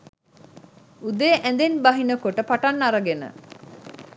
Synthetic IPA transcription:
ud̪eːʔæ̃nd̪enbɐɦinəkoʈəpaʈanːaɾɐɡenə̰

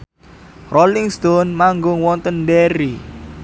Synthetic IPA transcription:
rʔolɪŋst̪onmaŋɡʊŋwɔnt̪ənɖeɾi

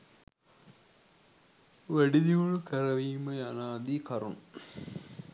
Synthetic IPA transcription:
ʋeɽid̪iʋuɭkɐɾɐʋiːmɐjɐnaːd̪ikɐrun

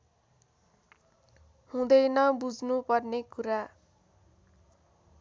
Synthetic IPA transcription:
hũd̪ʌjnʌbud͡znupʌrnekuɾa

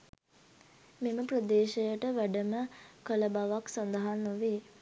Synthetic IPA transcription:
meməprəd̪eːʃəjəʈəʋæɖəməkələbaʋaksand̪əɦanːoʋeː

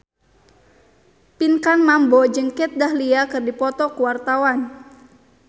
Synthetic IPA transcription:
pinkanmambɔd͡ʒəŋkɛt̪̚dahliakɨrdipɔt̪ɔkuwart̪awan

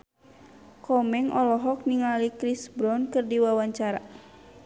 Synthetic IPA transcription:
kɔmɛŋɔ̰lɔɦɔk̚niŋalikɾisbɾɔnkɨrdiwawaɲt͡ʃaɾa̰

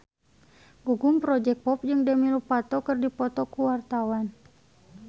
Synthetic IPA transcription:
ɡuɡumpɾɔd͡ʒɛk̚pɔp̚d͡ʒɨŋdɛmilupat̪ɔkɨrdipɔt̪ɔkuwart̪awan

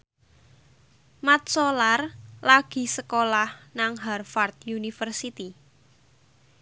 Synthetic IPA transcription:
mat̪̚solarlaɡ̥i̤səkolahnaŋɦarfart̪̚junifərsit̪i

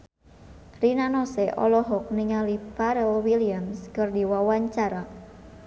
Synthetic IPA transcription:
rinanɔsɛʔɔ̰lɔɦɔk̚niŋalipaɾɛlwiliamskɨrdiwawaɲt͡ʃaɾa

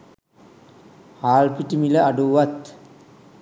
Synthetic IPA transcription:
haːlpiʈimiləaɖuʋat̪

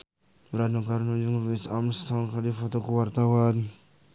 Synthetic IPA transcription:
bəɾadɔkaɾnud͡ʒuŋvisamst̪ɔŋkadifɔt̪ɔkuwart̪awan

